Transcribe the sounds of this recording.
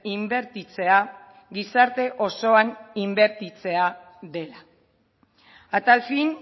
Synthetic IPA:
imbe̞ɾt̪it͡se̞a | ɡisaɾt̪e̞ʔo̞so̞animbe̞ɾt̪it͡se̞a | ðe̞la | at̪alfin

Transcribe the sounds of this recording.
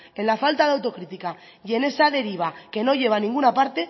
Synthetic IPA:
e̞nlafalt̪aðeawt̪o̞kɾit̪ika | jʝe̞ne̞saðe̞ɾiβ̞ake̞no̞ʝe̞β̞anĩŋɡunapaɾt̪e̞

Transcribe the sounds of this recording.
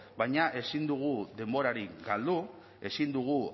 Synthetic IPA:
bajɲaʔe̞sind̪uɣ̞uðe̞mbo̞ɾaɾiɡald̪u | e̞sind̪uɣ̞u

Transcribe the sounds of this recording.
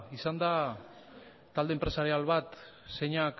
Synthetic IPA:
isand̪a | t̪ald̪empɾe̞saɾialβat̪ | se̞ɲak

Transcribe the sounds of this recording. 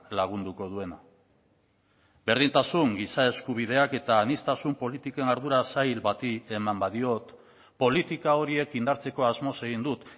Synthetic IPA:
laɣ̞und̪uko̞ð̞ue̞na | be̞ɾð̞int̪asuŋɡisae̞skuβ̞ið̞e̞ake̞t̪aːnist̪asumpo̞lit̪ike̞naɾðuɾasajlbat̪ie̞mambaðio̞t̪ | po̞lit̪ikao̞ɾie̞kind̪aɾt͡se̞ko̞azmo̞se̞ɣ̞ind̪ut̪

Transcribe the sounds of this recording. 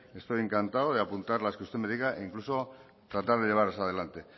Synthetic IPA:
e̞st̪ojeŋkant̪aoð̞e̞apunt̪aɾlaeskust̪emeðikaʔeiŋkluso̞ | t̪ɾat̪aɾð̞e̞ʎe̞aɾesaðe̞lant̪e̞

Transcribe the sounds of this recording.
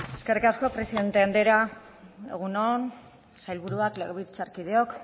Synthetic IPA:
e̞ske̞rikasko̞pɾe̞siðe̞nt̪eand̪e̞ɾa | ḛɣ̞unon | sajlβuɾuakleɣeβiɾt͡saɾkið̞eo̞k

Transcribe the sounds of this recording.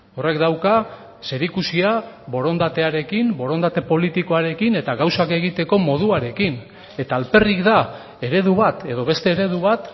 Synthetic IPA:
o̞re̞kd̪awka | se̞ɾikusia | βo̞ɾo̞nd̪at̪e̞aɾe̞kimbo̞ɾo̞nd̪at̪e̞po̞lit̪iko̞aɾe̞kine̞t̪aɣawsake̞ɣ̞it̪e̞ko̞mo̞ð̞uaɾe̞kin | e̞t̪aːlpe̞rikd̪a | e̞ɾe̞ðuβat̪e̞ðo̞βe̞st̪e̞ːɾe̞ðuβ̞at̪

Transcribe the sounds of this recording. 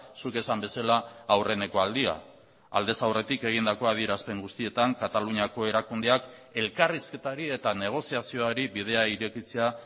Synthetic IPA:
suke̞sambe̞salaːwre̞ne̞ko̞ald̪ia̰ | a̰ld̪e̞sawre̞t̪ike̞ɣ̞ind̪ako̞að̞ieɾaspe̞ŋɡust̪ie̞t̪aŋkat̪aluɲiako̞e̞ɾakund̪e̞ak | e̞lkariske̞t̪aɾie̞t̪ane̞ɣ̞o̞siasio̞aɾiβið̞e̞aiɾe̞kit͡se̞a

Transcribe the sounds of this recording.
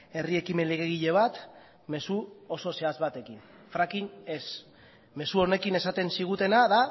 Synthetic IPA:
e̞rie̞kime̞leɣeɣ̞iʎe̞β̞at̪ | me̞suo̞so̞se̞azβat̪e̞kin | fɾakine̞s | me̞suo̞ne̞kine̞sat̪e̞nsiɣ̞ut̪e̞naða

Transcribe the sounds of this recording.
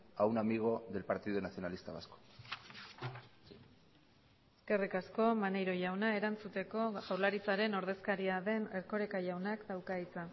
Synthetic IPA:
awnamiɣ̞o̞ðe̞lpaɾt̪iðonasio̞nalist̪aβa̰sko̥ | eske̞rikasko̞mane̞jɾo̞ʝawnae̞ɾant͡sut̪e̞ko̞ɣawlaɾit͡saɾe̞no̞ɾðe̞skaɾiaðe̞neɾko̞ɾe̞kaʝawnakd̪awkait͡sa

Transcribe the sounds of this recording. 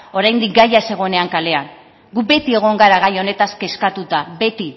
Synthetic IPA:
o̞ɾajnd̪ik̚ɡajase̞ɣ̞o̞ene̞aŋkale̞an | ɡube̞t̪ie̞ɣ̞o̞ŋɡaɾaɣajo̞ne̞t̪askeskat̪ut̪abe̞t̪i

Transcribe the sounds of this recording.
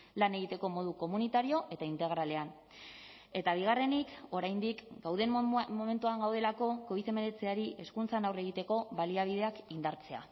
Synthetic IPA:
lane̞ɣ̞it̪e̞ko̞mo̞ð̞uko̞munit̪aɾio̞ʔe̞t̪aint̪e̞ɣ̞ɾale̞an | e̞t̪aβ̞iɣ̞are̞niko̞ɾajnd̪ikɡawðe̞mmo̞me̞nt̪uaŋɡawð̞e̞lako̞ko̞iθe̞me̞ɾe̞t͡se̞aɾiʔe̞skunt͡sanawre̞ɣ̞it̪e̞ko̞βaliaβ̞ið̞e̞akind̪aɾt͡se̞a̰

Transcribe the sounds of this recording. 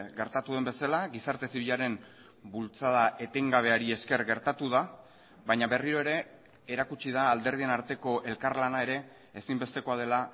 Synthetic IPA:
ɡe̞ɾt̪at̪uðembe̞salaɡisaɾt̪e̞siβ̞iʎaɾe̞m | bult͡sað̞aʔe̞t̪e̞ŋɡaβ̞e̞aɾie̞ske̞ɾɣe̞ɾt̪at̪uða | βajɲaβe̞riɾo̞e̞ɾe̞ | eɾakut͡ʃið̞aːld̪e̞ɾðie̞naɾt̪e̞ko̞ʔe̞lkaɾlanae̞ɾe̞ː | simbe̞st̪e̞ko̞að̞e̞la

